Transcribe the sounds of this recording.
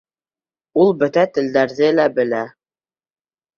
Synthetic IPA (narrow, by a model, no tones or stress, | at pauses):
ulˠbɵ̆t̪æt̪ɘ̆ld̪æɾðɘlæbɘ̆læ